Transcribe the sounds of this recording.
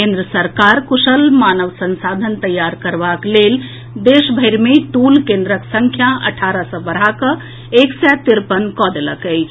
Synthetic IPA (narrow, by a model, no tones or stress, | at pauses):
kẽnd̪ɾəsəɾkaɾkusəlmanəʋsənsad̪ʱənt̪əjaɾkəɾbaklel | d̪esbʱəɪɾmeʈulkẽnd̪ɾəksəŋkʰjaə̰ʈʰaɾəsə̃bəɾ̤akə | eksɛt̪iɾpənkɔd̪eləkəɪt͡ʃʰ